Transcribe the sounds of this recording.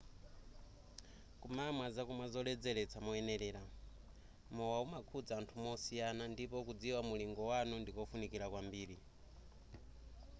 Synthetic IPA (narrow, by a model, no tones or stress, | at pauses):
kumamwazakumazɔlɛd͡zɛlɛt͡sʰamɔɛnɛɾɛːɾa | mɔwaumakʰud͡zaːntʰumɔsijanandipɔkud͡ziwamuliŋɡɔwanundikɔfunikiɾakwambiːɾi